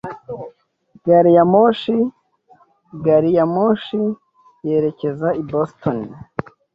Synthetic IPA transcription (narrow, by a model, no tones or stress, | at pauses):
ɡaɾijamoʃi | ɡaɾijamoːʃi | je̞ɾe̞ce̞zaibostoni